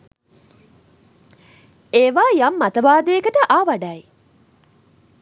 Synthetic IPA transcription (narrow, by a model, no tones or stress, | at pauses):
eːʋaːjɐmːɐt̪ɐʋaːd̪eːɡəʈəʔaːʋɐɖai